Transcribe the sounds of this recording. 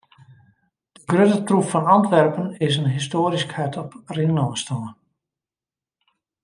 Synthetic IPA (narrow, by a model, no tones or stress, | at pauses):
d̥əɡrøtətrupfɔnɑntʋɛrpənɪsənɦistoːɾiskhɛtʰɔprɪŋnɔːstɔːən